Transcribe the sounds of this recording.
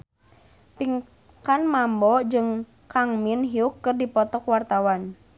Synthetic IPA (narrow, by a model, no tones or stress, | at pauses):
piŋ | kanmambɔd͡ʒɨŋ | kaŋminɦiukːɨrdipɔt̪ɔkwart̪awan